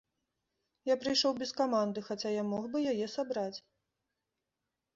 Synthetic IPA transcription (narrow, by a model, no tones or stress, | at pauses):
japɾɨjʂɔwbʲɛskamand̪ɨxat͡sʲajamɔɣbɨjajɛsabɾat͡sʲ